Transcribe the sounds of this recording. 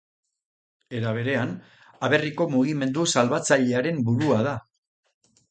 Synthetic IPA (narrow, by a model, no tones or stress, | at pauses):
e̞ɾaβ̞e̞ɾe̞an | aβ̞e̞riko̞muɣ̞ime̞nd̪usalβat͡saʎe̞aɾe̞mbuɾuað̞a